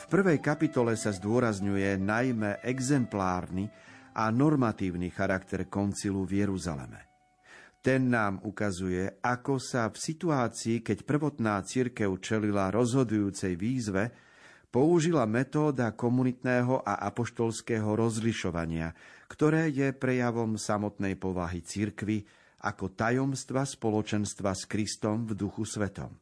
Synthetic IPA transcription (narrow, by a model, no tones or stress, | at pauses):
fpr̩ʋɛjkapit̪ɔlɛsazd̪ʊɔɾazɲujɛnajmɛʔɛɡzɛmplaːɾniʔanɔɾmat̪iːʊnixaɾakt̪ɛɾkɔnt͡siluvjɛɾuza̰lɛ̰mɛ̰ | t̪ɛnːaːmukazujɛʔakɔsafsit̪uaːt͡siːkɛcpr̩ʋɔt̪naːt͡siɾkɛʊt͡ʃɛlilaɾɔzɦɔd̪ujuːt͡sɛjʋiːzʋɛ | pɔuʒilamɛt̪ɔːd̪akɔmunit̪nɛːɦɔʔaʔapɔʃt̪ɔlskɛːɦɔɾɔzliʃɔʋa̰ɲɪa̰kt̪ɔɾɛːjɛpɾɛjaʋɔmsamɔt̪nɛjpɔʋaɦit͡siɾkʋi | ʔa̰kɔt̪ajɔmst̪ʋaspɔlɔt͡ʃɛnst̪ʋaskɾist̪ɔmvd̪uxusʋɛt̪ɔ̰m